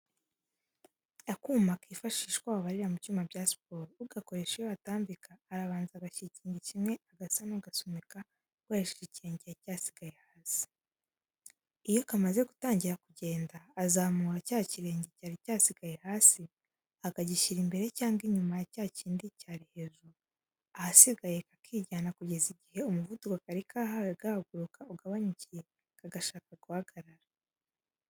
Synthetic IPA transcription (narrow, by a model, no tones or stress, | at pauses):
akuːmakiːfaʃiːʃkwaːβaβaɾiɾamut͡ʃuːmabɟaːsi̥poɾuɡako̞ɾe̞ʃejoataːmbikaːɾaβaːnzaɡaʃiciːɲɟecimŋe̞aɡasanoɡasomika | kwaeʃiiciɾeːɲɟeacaːsi̥ɡaje̞haːsi̥ | ijo̞kamaze̞ɡutaːɲɟiɾakuɟe̞ːndaːzamuːɾacaːciɾe̞ːɲɟecaːɾicaːsiɡaje̞haːsi | aɡaɟiʃiɾimbe̞ɾe̞caːŋɡiɲumajacaːciːndicaɾihe̞ʒu | ahasiɡaje̞kakʰiːɟaːnakuɟe̞ziɟihe̞umuvudukakaɾikahaweɡahaɡuɾukauɡaβaɲucije̞ | kaɡaʃaːkaɡuhaɡaɾaɾa